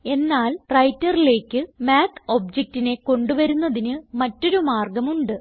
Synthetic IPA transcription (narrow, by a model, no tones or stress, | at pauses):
e̞nːaːlrɐjtːɐrile̞ːkːɨmaːt̪ʰo̞ːb̚d͡ʑek̚tine̞ko̞ɳɖuʋɐɾunːɐðinɨmɐtːo̞ɾumaːrɡɐmuɳɖɨ